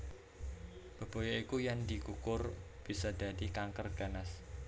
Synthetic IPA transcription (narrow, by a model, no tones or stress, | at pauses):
b̥ə̤b̥o̤jɔikujand̪ikukʊrb̥isɔd̪̥a̤d̪ikaŋkərɡ̥a̤nas